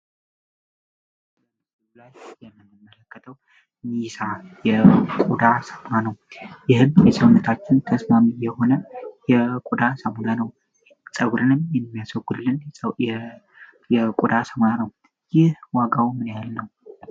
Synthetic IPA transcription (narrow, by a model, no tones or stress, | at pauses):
ulajːɛmːɨnːɨmːələkːət̪ʰəw | nisajɛkʼud̪asəmanəwjɪhɨmjɛsʼəwnɨt̪ʰat͡ʃːɪnt̪ʰəsmamijɛho̞nəjɛkʼud̪asamulanəw | sʼəɡɾɨnɨmjɛmːijasəɡud̪lːɨn | jɛkʼud̪asəmanəw | jɪhwaɡawmɨnjaalnəw